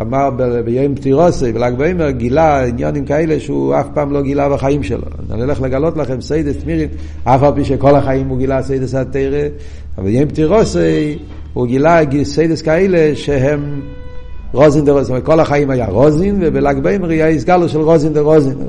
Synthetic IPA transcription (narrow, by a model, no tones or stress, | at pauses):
amaʁbbɪjoɪmptiʁɔseɪbɪlaɡboɪmɛʁɡilainja̰nɪmkaeɪləʃua̰fpaːmloːɡilavaχajimʃɛ̰lʔo̰ | a̰nilɛχləɡalˠɔtlˠaχɛmseɪdəstmiʁim | afalˠpiːʃekɔlˠaχajimuɡilˠaseɪdəsateɪʁə | abɪjoɪmp̚tiʁɔseɪ | huɡilaɡiseɪdəskaeɪlˠeʃeɦɛm | ʁɔzindɪʁɔsakɔlaχajimaja̰ʁɔzinvɪbɪlaɡbeɪməʁajaisɡalˠʊʃɛlˠʁɔzindɪʁɔzin